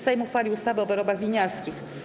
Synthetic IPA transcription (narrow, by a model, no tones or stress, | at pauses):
sɛjmuxfalʲiwust̪avɘɔbɛɾɔbaɣvʲiɲaɾskʲix